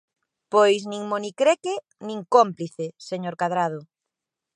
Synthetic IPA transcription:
pojsnĩŋmonikɾeke | nĩŋkompliθeseɲoɾkað̞ɾað̞ʊ

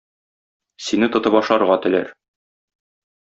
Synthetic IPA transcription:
sinɘt̪ŏt̪ɤpɒʃˠɑɾʁɑt̪ɘ̆læ̰ɾ

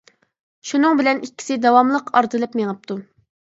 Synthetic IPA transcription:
ʃunɨŋbɪlɛnikʲːi̥sɪd̪ɑwɑmlˠəqʰɑɾd̪ɨlˠɨpmeŋəp̚t̪u

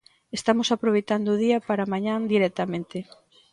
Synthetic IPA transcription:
est̪amosapɾoβejt̪and̪oð̞iapaɾamaɲãnd̪iɾɛt̪amẽnt̪e

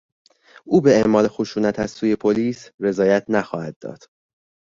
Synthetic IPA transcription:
uːbe̞emɒːle̞xoʃuːnæt̪ʰæzsuːje̞pʰoliːsre̞zɒːjæt̪ʰnæxɒːhæd̪̥̚ːɒ̰ːd̪̥

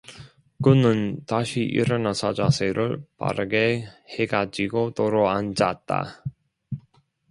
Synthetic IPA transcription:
kɯnɯntaɕʰiʔḭɾʌnasʰʌd͡ʑasʰeɾɯɭpa̰ɾɯɡe̞heɡad͡ʑiɡotoɾoand͡ʑat̚t͈a̰

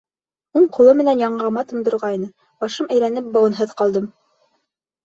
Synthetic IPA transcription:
uɴqŏlˠɤmɘ̆nænjɑɴʁɑmɑt̪ɤ̆nd̪ɤ̆ɾʁɑinɤ | b̥ɑʃɤmæjlænɘp̚bɑwɤ̆nɦɤðqɑlˠd̪ɤm

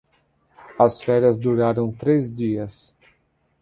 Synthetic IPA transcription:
ɐsfɛɾɐzd̪uɾaɾõw̃t̪ɾezd̪iɐs

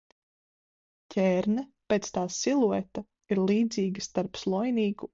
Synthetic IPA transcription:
cʰʲɛːɾnapeːt̪st̪aːsilˠuɔt̪a | iɾlˠiːd̪ziːɡʲist̪aɾpslˠɔjniːku

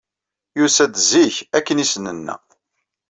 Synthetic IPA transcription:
jusæd̪ziçækːənisnənːæ̰

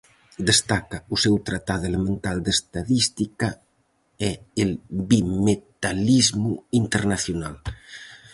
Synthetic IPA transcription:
d̪est̪akausɛwt̪ɾat̪aðelemẽnt̪ald̪est̪aðist̪ika | ɛelbimet̪alizmuint̪eɾnaθjunal

